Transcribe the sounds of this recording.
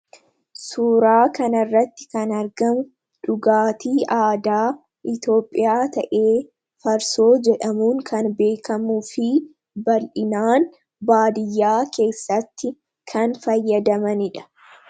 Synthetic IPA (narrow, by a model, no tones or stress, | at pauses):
suːɾaːkɐnɐrːɐt̪ːɪ̥kɐnɐɾɡɐmʊ | ᶑʊɡaːt̪iːʔaːd̪aː | ʔɪt̪o̞ːpʼːɪ̰jaːt̪ɐʔe̞ː | fɐɾso̞ːd͡ʒɛᶑɐmuːŋkʰɐnbe̞ːkɐmufɪ | bɐlʔɪnaːn | baːd̪ɪjːaːkʰe̞ːsːɐt̪ːɪ | kʰɐnfɐjːɐd̪ɐmɐnɪᶑɐ̥